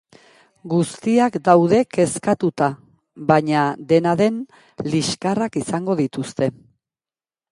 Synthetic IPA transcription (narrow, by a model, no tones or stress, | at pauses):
ɡust̪iakd̪awðe̞ke̞skat̪ut̪a | βaɲad̪e̞naðe̞n | liskarakisaŋɡo̞ðit̪ust̪e̞